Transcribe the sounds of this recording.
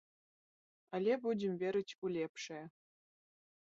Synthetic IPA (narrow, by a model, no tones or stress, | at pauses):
ɘ̆lʲebudʲĕmvʲeɾʲɘ̆t͡ɕʲkulʲepʂe